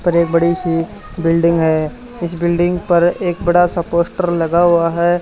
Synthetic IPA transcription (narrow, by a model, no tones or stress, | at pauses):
pɐɾeːk̚bɐɽiʃi | bɪlɖɪ̃ŋɡɦɛ | ɪsbɪlɖɪ̃ŋɡpɐɾeːkbɐɽasɐpoːsʈəɾlɐɡaɦuaɦɛː